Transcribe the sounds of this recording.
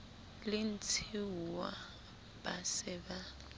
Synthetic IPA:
lɪn̩t͡sʰiwa | b̥asɪba

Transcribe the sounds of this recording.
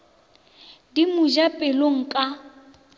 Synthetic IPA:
dimud͡ʒapʼɪloŋ̩kʼa

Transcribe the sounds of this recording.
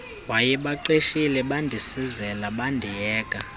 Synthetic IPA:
wajɛɓaǃeʃilɛɓandʱisizɛlaɓandʱijɛːkʼa

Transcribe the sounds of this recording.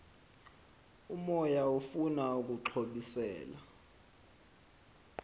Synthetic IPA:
umɔjaufunauk̬ʼuǁʰoɓisɛ̰ːla̰

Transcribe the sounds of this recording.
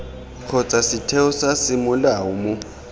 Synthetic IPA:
k͡xʰɔt͡sʼasɪtʰɛʊsasɪmʊlaʊmʊ

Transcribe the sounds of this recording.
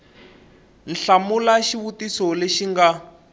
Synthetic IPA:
n̩ɬamulaʃiβutisɔleʃiŋɡa

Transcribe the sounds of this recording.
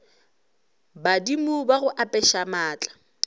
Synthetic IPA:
badimubaɣʊʔapʼɛʃamaːt͡ɬʼḁ

